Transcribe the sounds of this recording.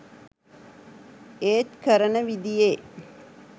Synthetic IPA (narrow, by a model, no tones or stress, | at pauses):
eːt̪kəɾənəʋid̪ije